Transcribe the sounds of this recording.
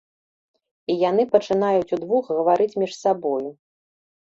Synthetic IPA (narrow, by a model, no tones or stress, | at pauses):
ijan̪ɨpɐt͡ʂɨnajut͡sʲud̪vuxɣɐvaɾɨt͡sʲmʲiʂsabɔju